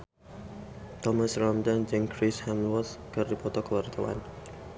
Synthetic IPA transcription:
t̪ɔmasrɔmdand͡ʒɛŋkɾishamwɔt̪kərdipɔt̪ɔkəwart̪awa̰n

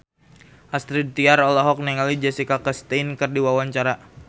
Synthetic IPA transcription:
ʔast̪ɾid̚t̪iaɾɔlɔɦɔk̚nɛŋalid͡ʒɛsikakəst̪ɛnkɨrdiwawaɲt͡ʃaɾa

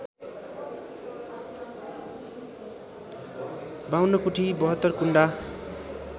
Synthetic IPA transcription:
bawnʌkuʈʰibʌɦʌt̪ːʌrkuɳɖa

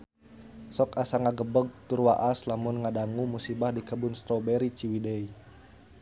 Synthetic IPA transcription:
sɔkasaŋaɡəbəɡ̚t̪uɾwa̰ʔaslamʊnŋadaŋumusibahdikəbunst̪ɾobɛɾit͡ʃiwidɛi

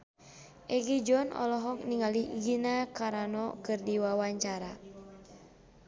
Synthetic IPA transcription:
ʔɛɡid͡ʒɔnɔ̰lɔɦɔk̚niŋaliɡinakaɾanɔkɨrdiwawaɲt͡ʃaɾa

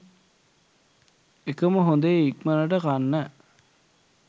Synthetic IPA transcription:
ekəməɦond̪əikmənəʈəkanːæ

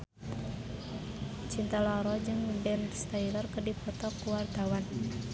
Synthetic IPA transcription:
t͡ʃint̪alɔɾɔd͡ʒɨŋbɛnst̪ailərkərdipɔt̪ɔkːuwart̪awan

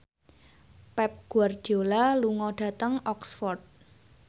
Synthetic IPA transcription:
pɛp̚ɡ̥uard̥d͡ʒolaluŋɔɖ̥a̤t̪əŋɔksfɔrt̪̚

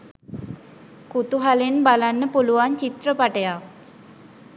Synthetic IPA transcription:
kut̪uɦalenbalanːəpuluʋant͡ʃit̪rəpaʈəjak

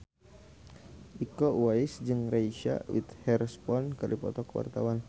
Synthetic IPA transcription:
ʔikɔwaisd͡ʒɨŋraiʃa̰wḭt̪hɛɾspɔnkɨrdipɔ̰t̪ɔkəwa̰rt̪awan

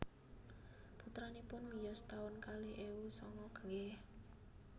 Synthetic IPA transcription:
put̪ɾanipʊnmijɔst̪aʊnkaliʔewusɔŋɔkəŋɛh

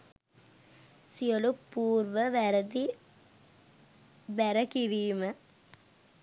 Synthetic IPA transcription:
siolupːuːrʋəʋæɾɐd̪i | bæɾɐkiɾiːmə

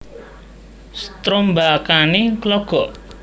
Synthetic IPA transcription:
st̪ɾombakaneklɔɡ̥ɔʔ

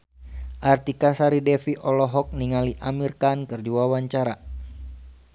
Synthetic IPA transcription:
ʔart̪ikasaɾidɛfiʔɔlɔɦɔk̚niŋaliʔamirkankɨrdiwawaɲt͡ʃaɾa

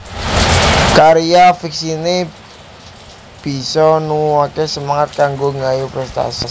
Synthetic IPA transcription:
kaɾijafiksine | b̥i̤sɔnuwakesəmaŋat̪̚kaŋɡoŋajupɾəst̪a̰sə

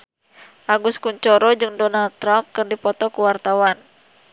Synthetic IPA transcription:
ʔaɡuskuɲt͡ʃɔɾɔd͡ʒɨŋdɔnald̪̚t̪ːɾamp̚kɨrdipɔt̪ɔkuwart̪awan

